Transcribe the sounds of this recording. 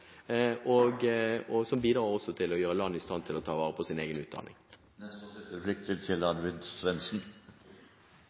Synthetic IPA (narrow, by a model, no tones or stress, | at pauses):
ʔɔɡɔsɔmbiːd̪ɾɑːɔsːɔt̪ʰɪlɔjøːʁɾəlɑnːəɪst̪ɑnt̪ʰɪlɔt̪ʰɑːʋɑːʁəpʰɔsɪneːɡənʉ̰ːt̪d̪ɑ̰nɪ̰ŋ | flʏk̚t̪ʰət̪ʰɪlɑd̪ʋɪd̪sʋɛnsn̩